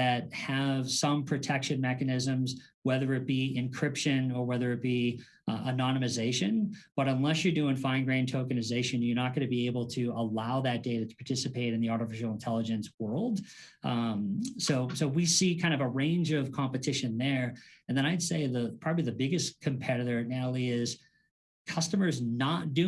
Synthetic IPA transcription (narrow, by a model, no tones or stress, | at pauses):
ðɨt̚hɨv̥sʌ̃mpʰɹ̥ɨtʰɛkʃɨ̃nmɛkɨnɪzɨ̃mzwɛðə˞ɨt̚b̥iɪ̃nkʰɹ̥ɪpʃɨ̃nə˞wɛðə˞ɨt̚b̥i | ənɑnɨmɨzeɪʃɨ̃nb̥ʌɾə̃nlɛsjə˞dɨɪ̃nfãɪ̃nɡɹẽntʰoʊkɨnɨzeɪʃɨ̃njə˞nət̚ɡ̥ʌ̃nɨbieɪbl̩ˠtʰɨəlaʊðɨt̚d̥eɪɾɨɾə̥pʰɑɹtʰɪsɨpʰeɪɾɨ̃nðiɑɹɾɨfɪʃl̩ˠə̃ntʰɛlˠəd͡ʒɨ̃nswɜ˞lˠd̥ | soʊsoʊwisikʰãɪ̃ndʌvəɹẽɪ̃nd͡ʒʌv̥kʰɑ̃mpɨtʰɪʃɨ̃nðə˞ɨ̃nðɨ̃ɾ̃aɪd̥seɪðəpʰɹ̥ɑbəbliðɨbɪɡɨskʰɨ̃mpʰɛɾɨɾə˞ɨnælˠiɪz̥ | kʰʌstəmə˞znət̚d̥ʉ